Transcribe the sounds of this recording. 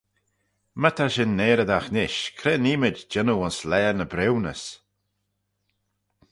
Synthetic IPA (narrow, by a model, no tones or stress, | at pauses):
mət̪ʰaʃɪnːeːɾəd̪axnɪʃkʰɾɛːniːmɪd͡ʒd͡ʒɪnuʊnslɛːnəbɾɪwnəs